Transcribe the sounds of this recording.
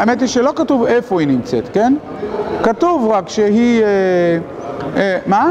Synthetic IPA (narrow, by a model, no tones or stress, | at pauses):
ajemet̪̬iʃelo̞katuvefohinimt͡set̪ken | katuvʁakʃeɦie | ema